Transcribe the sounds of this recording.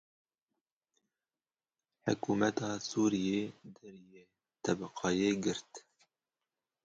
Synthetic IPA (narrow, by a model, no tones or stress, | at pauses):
ħʊ̰kuːmɛt̪ɑːsuːɾijeːd̪ɛɾjeː | t̪ʰɛbɛqɑːjeːɡɨɾt̪